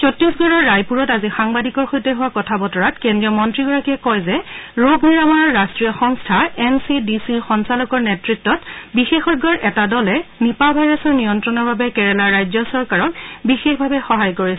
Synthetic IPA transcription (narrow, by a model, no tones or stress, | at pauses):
t͡ʃɔtːisɡɔɹɔɹːajpuɹɔtazixaŋbadikɔɹxojtɛɦuwakɔtʰabɔtɔɹatkɛndɹiɔmɔntɹiɡɔɹakiɛkɔjzɛɹoɡniɹamɔɹɔɹːastɹijɔxɔŋstʰaɛnsidisiɹxɔnsalɔkɔɹnɛtɹitːɔtbixexɔt̚ɡɔɹʔɛtadɔlɛnipabʱajɹasɔɹnijɔntɹɔnɔɹbabɛkɛɹɛlaɹɹajzɔsɔɹkaɹɔkbixexbʱabɛxɔɦajkoɹisɛ